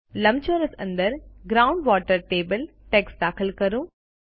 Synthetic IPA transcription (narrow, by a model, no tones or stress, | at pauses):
lɐmt͡ʃoːɾəsɐ̰̃nd̪əɾɡɾaːʊ̃ɳɖʋaːʈəɾʈeːbəl | ʈeksd̪aːkʰəlkɐɾũː